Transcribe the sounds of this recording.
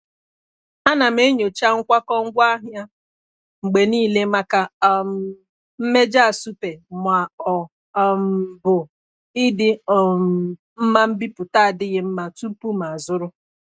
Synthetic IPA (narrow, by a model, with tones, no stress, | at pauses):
a˦na˨m̩˦e˦ɲo˨t͡ʃa˦ŋ̩˦kʷa˦kɔ˦ŋ̩˦ɡʷa˦ɦja˦ | ŋ͡m̩˨ɡ͡be˨niː˦˨le˦ma˦ka˦ | m̩˦me˦d͡ʒa˦a˨su˦pe˨mʷ˨a˨ɔ˨ | bʊ˨ | ɪ˦dɪ˦˨ | m̩˦ma˦m̩˦bi˦pʊ˨ta˦a˨dɪ˦ɣɪ˦m̩˦ma˨tu˦pu˦ma˨zʊ˦ɾʊ˦